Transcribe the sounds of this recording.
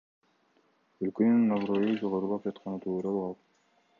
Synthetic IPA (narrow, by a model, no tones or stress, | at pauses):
ølkønynːovrojud͡ʒoʁoɾulˠɑp̚d͡ʒɑt̪qɑnɯt̪ʰuːɾɑlˠuqɑlˠ